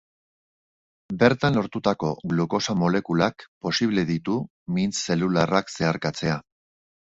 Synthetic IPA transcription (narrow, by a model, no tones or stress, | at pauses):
be̞ɾt̪anlo̞ɾt̪ut̪ako̞ɣluko̞samo̞le̞kulakpo̞siβle̞ðit̪u | mint͡sse̞lularakse̞aɾkat͡se̞a